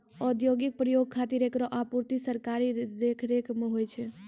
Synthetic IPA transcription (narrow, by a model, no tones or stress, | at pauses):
ɔd̪joɡik̚pɾəjoɡ̚kʰat̪iɾekɾɔʔapuɾt̪isəɾkaɾiɾekʰɾekmeɦojt͡ʃʰɛ